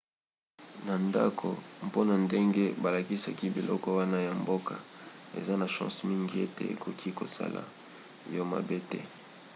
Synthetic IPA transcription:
na˨nda̰˦kʰo˨mpo˦na˨nde˦ŋɡe˦ba˨la˨ki˦sa˨ki˦bi˨lʔɔ̰˦kɔ˦wa˦na˦ja˨mbo˦ka˨ḛ˨za˦na˨ʃã̰˦smi˦ŋɡi˦e˦te˨ḛ˨ko˨kʰi˦ko̰˨sa̰˦la̰˨ | jo˦ma̰˨be˦tɛ˦

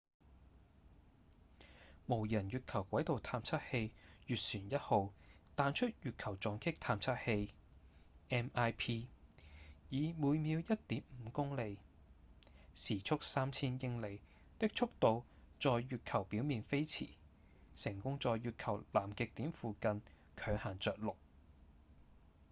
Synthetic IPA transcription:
mo˨˩wjɐ˨˩nɥyː˨t̚kʰɐ˨˩wkʷɐ˨˥jt̪o˨wt̪ʰaː˧mt͡sʰɐ˥t̚he˧jjyː˨t̚syː˨˩njɐ˥t̚ho˨˧wt̪aː˨˧nt͡ʃʰɵ˥t̚jyː˨t̚kʰɐ˨˩wt͡sɔː˨˧ŋkʰɪ˥k̚t̪ʰaː˧mt͡sʰɐ˥t̚he˧j | ʔɛː˥maː˥jpʰiː˥ | jiː˨˧muː˨˧jmiː˨˧wjɐ˥t̚t̪iː˨˥mm̩˨˧kʊ˥ŋle˨˧j | siː˨˩t͡ʃʰʊ˥k̚saː˥mt͡sʰiː˥njɪ˧ŋle˨˩j | t̪ɪ˥k̚t͡ʃʰʊ˥k̚t̪o˨˧w | t͡sɔː˨˧jːyː˨t̚kʰɐ˨˩wpi˨˥wmiː˨nfe˥jt͡sʰḭː˨˩ | sɪ˨˩ŋkʊ˥ŋt͡sɔː˨˧jːyː˨t̚kʰɐ˨˩wlaː˨˩mkɪ˨k̚t̪iː˨˥mfuː˨˧kɐ˧n | kʰœː˨˧ŋhaː˨˩ŋt͡sœː˨k̚lʊ˨k̚

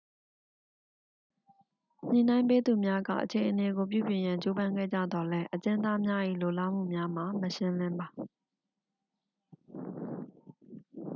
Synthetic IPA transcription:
ɲ̥ḭ̃˨nã˦ɪ̃mpe˦d̪u˨mja˦ɡa̰˦˨ʔət͡ɕʰẽ˨ʔəne˨ɡo˨p̬jṵ˦˨bjɪ̃˨jã˨ɲt͡ɕo˦bã˦ŋɡɛ̰˦˨d͡ʑä̰˦˨d̪ɔ˨lɛ˦ʔət͡ɕɪ̃˦nd̪a˦mja˦ʔḭ˦˨lo˨la̰˦m̥ṵ˦˨mja˦m̥a˨məʃɪ̃˦lɪ̃˦mba˨

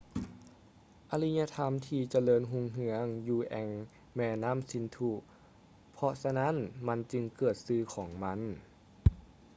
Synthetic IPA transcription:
ʔa˧li˧˥ɲa˧t̪ʰa˧˥mt̪ʰiː˧˩t͡ɕa˧lɤː˧˨nɦu˧ŋɦɯ˧˥əŋjuː˧˩ʔɛ˧˩ŋ | mɛː˧na˧˥˨msi˧˥˦nt̪ʰu˧ | pʰɔ˧sa˧na˦˧˥nma˧nt͡ɕɯ˧ŋkɤː˨˩t̪̚sɯː˧kʰɔː˩˦ŋma˧˥˨n

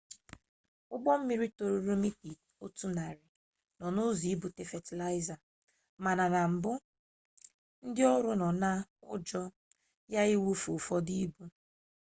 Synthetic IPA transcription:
ʊ˦ɡ͡bɔ˦m̩˦mi˦ɾi˦to˨ɾo˨ɾo˦mi˦ti˨ | o˦tu˦na˨ɾɪ˨ | nɔ˨nʊ˦zi˨˦i˦bu˨te˨fe˨ti˨la˦ɪ˦za˨ | ma˨na˨na˨m̩˨bʊ˦ | n̩˦dɪ˦ɔ˦ɾʊ˦nɔ˨na˦ʊ̰˦d͡ʒɔ˦ | ja˦i˦wu˦fo˨fɔ˦di˦bu˦

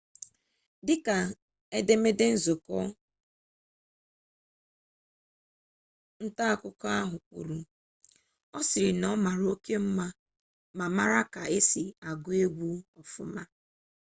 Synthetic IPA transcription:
dɪ˦ka˨ | e˦de˦me˦de˦n̩˦zʊ˨kɔ˦ | n̩˦ta˦˨kʊ˦kɔ˦a˦ɦʊ˨k͡pṵ˨ɾu˨ | ɔ˦sɪ˨ɾɪ˨nɔ˦ma˨ɾo˦ke˦m̩˦ma˦ | ma˨ma˦ɾa˦ka˨e˦si˨a˨ɡʊ˦e˦ɡʷu˦ɔ˨fʊ̰˨ma˦

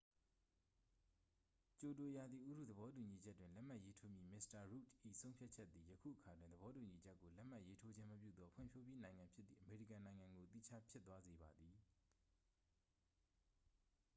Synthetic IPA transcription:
t͡ɕo˨to˨ja˨d̪ði˨ʔu˦˨ɾṵ˦˨d̪əβɔ˦t̬u˨ɲi˨d͡ʑɛ˦tːwɪ̃˨lɛ˦ʔm̥a˦ʔje˦tʰo˦mji˦˨mɪ˦sta˨ɹu˦˨tʔḭ˦˨sʰõ˦ʊ̃mpʰja˦ʔt͡ɕʰɛ˦t̪ːði˨jəkʰṵ˦˨ʔəkʰa˨dwɪ̃˨nd̪əβɔ˦tu˨ɲi˨d͡ʑɛ˦kːo˨lɛ˦ʔm̥a˦˨je˦tʰo˦d͡ʑɪ̃˦məp̬jṵ˦˨d̪ɔ˦pʰwʊɪ̰̃˦˨mpʰjo˦bji˦nã˨ɪ̃ŋã˨mpʰjɪ˦t̪ːðḭ˨ʔəme˨ɹḭ˦˨kã˨nã˨ɪ̃ŋã˨ŋɡo˨t̪ḭ˦˨t͡ɕʰa˦pʰjɪ˦t̪ːwa˦ze˨βa˨d̪ði˨

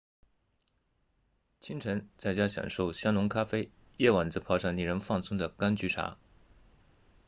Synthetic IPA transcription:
t͡ɕʰi˥ŋʈ͡ʂʰə˧˥nt͡sa˥˩ɪt͡ɕja˥ɕjɑ̰˨˩ŋʂo˥˩ʊɕjɑ˥ŋnʊ˧˥ŋkʰa˥fe˥ɪ | jɛ˥˩wa˨˩nt͡sɹ̩˥˧pʰɑ˥˧ʊʂɑ˥˩ŋni˥˩ɻə˧˥nfɑ˥˩ŋsʊ˥ŋd̪ə˨ka˥nt͡ɕy˧˥ʈ͡ʂʰa̰˧˥

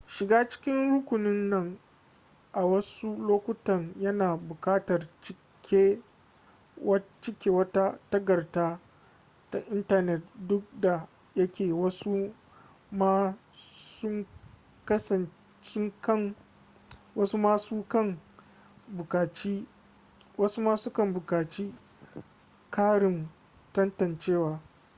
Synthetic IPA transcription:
ʃɪ˨ɡaː˦t͡ʃɪ̥˦kʲɪ˦nɽʊ˦kʷʊ˨nɪ˦nːɐ˨ŋ | ʔa˨wɐ˦su˦loː˦kʷʊ˦tɐ˨ŋjɐ˦naː˨bʊ˨kaː˦tɐ˨rt͡ʃɪ˦ | kʲʰeː˦ | wɐ˦t͡ʃɪ˦kʲeː˨wɐ˦ta˦tɐ˦ɡɐ˨rtaː˦ | ta˦ʔɪ˦ntɐ˦nɛ˨tdʊ˦k̚da˨ | jɐ˦kʲeː˨wɐ˦su˦ | ma˦ | sʊ˦ŋ | kɐ˦sɐ˨n | sʊ˦ŋkɐ˦ŋ | wɐ˦su˦maː˦suː˦kɐ˦˨ŋ | bʊ˨kaː˨t͡ʃi˦ | wɐ˦su˦maː˦su˦kɐ˦mbʊ˨kaː˨t͡ʃiː˦ | kʰaː˦ɽɪ˨m | tɐ˦ntɐ˨nt͡ʃeː˦waː˨

